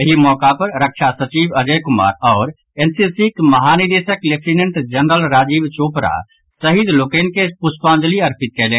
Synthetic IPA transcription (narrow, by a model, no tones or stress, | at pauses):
ɐɦimɔːkapɐɾɾəkʃʰasɐt͡ʃiːbɐd͡ʒəkʊma̰ːɾɔːɾ | ensisikmɐɦaːnid̪eːsəklek̚ʰʈinə̃ɳʈd͡ʒɐnɾəlɾaːd͡ʒiːbt͡ʃoːpɾa̰ | sɐɦid̪loːkẽnkepuspãːnd͡ʒəliɐɾpʰɪt̪̚kɛːlẽː